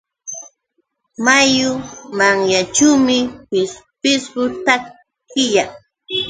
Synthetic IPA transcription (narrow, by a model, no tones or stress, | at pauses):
majʊmaŋjat͡ʃuwmɪpɪs | pɪsɢʊt̪a | kɪjaŋ